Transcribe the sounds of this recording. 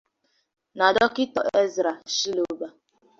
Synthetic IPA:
na˨dɔ˦kɪ˦tɔ̰˨ʔʔe˦zɾa˨ʃi˦lo˨˦ba˦

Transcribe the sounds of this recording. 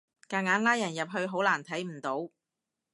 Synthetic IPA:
kaː˨˩ŋaː˨˥nlaː˥jɐ˨˩njɐ˨p̚ɦɵ˧ɥɦo˨˥wlaː˨˩nt̪ʰɐ˨˥jm̩˨˩t̪o˨˥w

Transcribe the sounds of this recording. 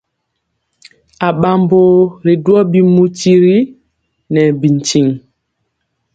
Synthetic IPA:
a˨ɓa˨mbo˦˨ɾi˨du˦ɔ˦bi˦mu˦ti˦ɾi˦ | nɛ˨bi˨n˨t͡ʃi˨ŋ

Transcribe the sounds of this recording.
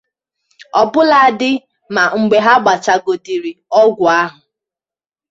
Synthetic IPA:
ɔ˨bʊ˦la˨a˨dɪ˦ | ma˨ŋ͡m̩˨ɡ͡be˨ɦa˦ɡ͡ba˨t͡ʃa˦ɡo˨di˨ɾi˨ɔ˦ɡʷʊ˨a˦ɦʊ˨

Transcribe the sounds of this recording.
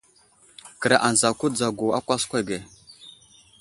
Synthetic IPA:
kə˨ɾa˨ʔa˨n˨za˨ku˦d͡za˨ɡu˨a˦kʷa˦skʷe˦˨ɡe˨

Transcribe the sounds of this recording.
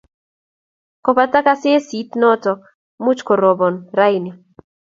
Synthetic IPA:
kɔ˨pa˦ta˦ka˦sɪ˦e˦si˨˦t̪nɔ˦tɔ˨ | mʊ˦t͡ʃkɔ˨ɾɔ˨bɔ˨nɾa˦jnɪ˨

